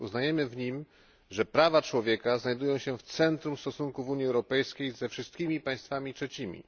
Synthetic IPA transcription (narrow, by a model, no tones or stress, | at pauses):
uznajɛmɘvɲim | ʐɛpɾavat͡ʂwɔvʲjɛkaznajd̪ujɔ̃w̃ɕɛft̪sɛnt̪ɾumst̪ɔsuŋkuvuɲiɛwɾɔpɛjskʲejzɛfʂɘst̪̚kʲimʲipaj̃st̪famʲitʂɛt͡ɕimʲḭ